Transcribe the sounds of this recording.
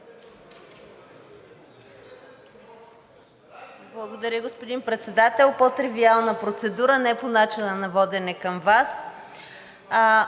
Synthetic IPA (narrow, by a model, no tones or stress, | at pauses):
blˠɐɡod̪ɐɾʲəɡospod̪inpɾɛt̪sɛd̪at̪ɛlˠpot̪ɾɛvialˠnəpɾot̪sɛd̪uɾənɛponat͡ʃinənɐvɔd̪ɛnɛkəmvas